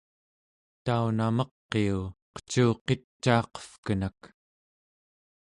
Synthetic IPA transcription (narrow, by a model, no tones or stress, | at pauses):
t̪aunamʌqːeuqə̥t͡ʃuːqe̞t͡ʃːɑːqʌ̥fkənak